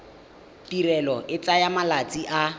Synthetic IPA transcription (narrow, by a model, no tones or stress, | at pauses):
tirɛlɔʔɪt͡sajamalat͡sʼiʔa